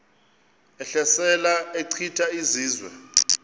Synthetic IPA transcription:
ɛɬɛsɛlaeǀʰitʰʼaiziːzwɛ̰

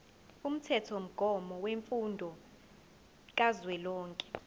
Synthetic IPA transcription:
um̩tʰɛtʰom̩ɡ̥ʱɔmɔweɱfundʱɔ | k̬ʼazwɛlɔːŋkʼɛ̥

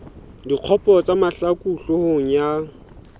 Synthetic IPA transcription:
diq͡χʰɔpʼɔt͡sʼamaɬakʼuɬʊhoŋ̩ja

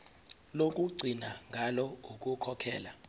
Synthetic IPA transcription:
lokʼuɡ͡ǀʱinaŋɡʱalɔukʼukʰɔkʰɛːla

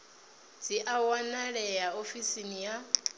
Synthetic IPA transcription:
d͡ziʔawanaɺɛjaofisinija

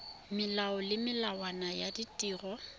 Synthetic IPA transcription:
mɪlaɔlɪmɪlawanajaditʼiːrɔ

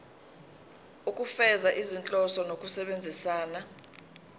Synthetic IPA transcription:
ukʼufɛzaʔizint͡ɬʼɔsɔnokʼusɛɓend͡zʱisaːna

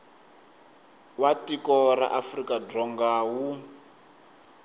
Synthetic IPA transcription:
watikɔɾa̰ʔafrikadrɔŋɡaːwu

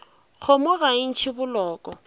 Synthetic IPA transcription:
ɣʰʊmʊɣan̩t͡ʃʰɪbʊlɔːkʼɔ

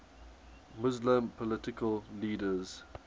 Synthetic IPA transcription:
mʊzlə̃mpʰɔlɪtɪkʰəlliːdəz̥

